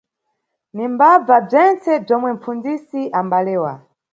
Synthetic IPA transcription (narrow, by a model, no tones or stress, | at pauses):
nimbab͡vab͡ʐɛnt͡sɛb͡ʐɔmwɛm̩fund͡zisiʔambalɛːwa̰